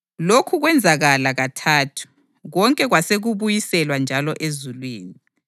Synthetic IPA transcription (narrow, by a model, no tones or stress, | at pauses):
lokʰuɣwɛnd͡zʱaɣalaɣatʰaːtʰu̥ | ɣɔŋkʼɛɣwaseɣuβujisɛlwand͡ʒʱalɔʔezulwiːni